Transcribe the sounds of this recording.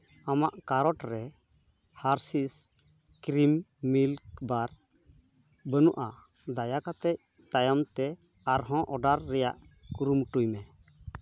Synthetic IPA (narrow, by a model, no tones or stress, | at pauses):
amaʔkaɾɔʈɾɛ | haɾsis | kɾimːilkbaɾ | bənuʔa | d̪ajakat̪ɛc̚ | t̪ajamt̪ɛ | aɾɦɔ̃ʔɔɖaɾːɛja̰ʔkuɾumʈujmɛ